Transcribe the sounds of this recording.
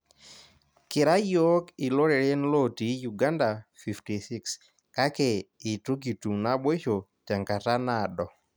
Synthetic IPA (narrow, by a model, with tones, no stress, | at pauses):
kɪ˨ɾa˦jo˦kɪ˨lo˦ɾe˨ɾe˦nlo˦ti˨ju˨ɡa˦nda˨fi˨fti˨si˦ks | ka˦ke˨ɪ˨tu˦ɡi˨tu˨ŋna˦bwe˦ʃo˨tɛ˨ŋka˨ta˦na˦˨dɔ˨